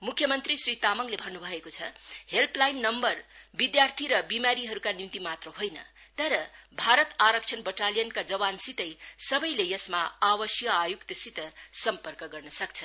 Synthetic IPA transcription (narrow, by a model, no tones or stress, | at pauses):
mukʰːjʌmʌnt̪risɾit̪amʌŋlebʱʌnːubʱʌekot͡sʰʌhelplajnːʌmbʌrbid̪jart̪ʰiɾʌbimaɾiɦʌɾukanimt̪imat̪rʌɦojnʌ̰ | t̪ʌɾʌbʱaɾʌt̪aɾʌkt͡ʃʰʌnbʌʈalijʌnkad͡zʌwansit̪ʌjsʌbʌjlejʌsmaawʌsjʌajukt̪ʌsit̪ʌsʌmpʌrkʌɡʌrnʌsʌk̚t͡sʰʌ̥